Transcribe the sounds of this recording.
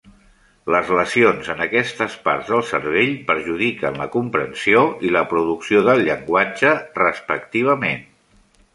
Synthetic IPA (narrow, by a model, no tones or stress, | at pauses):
ləzləsionzənəkɛst̪əspa̰ɾzðəlˠsəɾβ̞eʎpəɾʒuðikənləkumpɾənsioiləpɾuðuksioðəlˠʎəŋɡwad͡ʒərəspəkt̪iβ̞əmen